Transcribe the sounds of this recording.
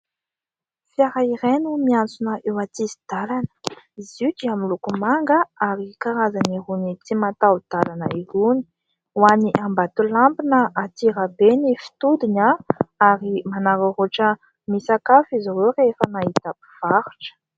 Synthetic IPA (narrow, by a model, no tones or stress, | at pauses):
fjaɾaiɾenumiant͡sunəʔewat̪izid̪̥alanə̥ | izid͡ʒiamilukumaŋɡəaɾikaɾazaniɾunit͡simat̪awd̪̥alanəiruni̥ | waniʔambat̪ulampinəʔat̪iɾabenefi̥t̪ud̪inaaɾimanaɾaroʈ͡ʂə | misakafizawewrefənait̪api̥v̥aɾu̥ʈ͡ʂə̥